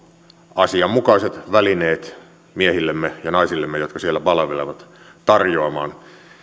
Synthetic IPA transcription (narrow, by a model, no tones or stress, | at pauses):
ɑsiɑmmukɑiset̪ʋælineːt̪ | miehilːemːejɑnɑisilːemːejot̪kɑsielːæpɑlɑʋelḛʋɑt̪ | t̪ɑrjoɑmɑ̰ːn